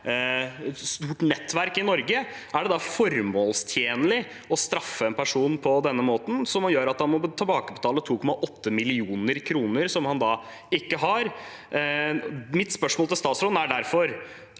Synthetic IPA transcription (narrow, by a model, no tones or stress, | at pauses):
st̪uːʈnɛt̪ːʋæɾkɪnɔɾɡə | æɖɛd̪ɑfɔɾmoːlst̪ʰjeːnəlɪ | ɔst̪ɾɑfːəɛnpʰæʂuːnpʰɔd̪ɛnːəmoːt̪n̩sɔmjøːɾɑt̪hɑnmɔbt̪ʰɛlbɑːkəbət̪ʰɑːlət̪ʰuːkʰɔmːɑʔɔt̪ːəmɪlɪuːnəɾkʰɾuːnəɾsɔmhɑnd̪ɑː | ɪkːəɦɑɾ | mɪt̪spœʂmoɔlt̪ɪlst̪ɑːt̪sɾoːd̪n̩æɖæɾfɔɾ